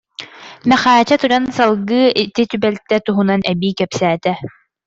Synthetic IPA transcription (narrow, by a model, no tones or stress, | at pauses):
mɛχaːt͡ɕat̪uɾansalˠɡɯːit̪it̪ybɛlt̪ɛt̪uɦunanʔɛbiːkɛpsæːt̪ɛ